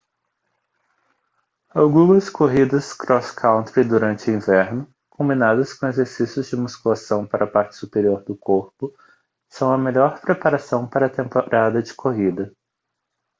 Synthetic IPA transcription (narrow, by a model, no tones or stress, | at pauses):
awɡũmɐskʰoɦid̪ɐskɾɔskʰãw̃nt̪ɾɪd̪uɾɐ̃nt͡ʃɪʊĩvɛɾnʊ | kʰõmbinad̪ɐskõezeɾsisjʊzd͡ʒɪmuskulasɐ̃w̃paɾɐpaɾt͡ʃɪ̥supeɾioɾd̪ʊkoɾpʊ | sɐ̃w̃ɐmeʎɔɾpɾepaɾasɐ̃w̃paɾɐt̪ẽmpoɾad̪ɐd͡ʒɪkʰoɦid̪ɐ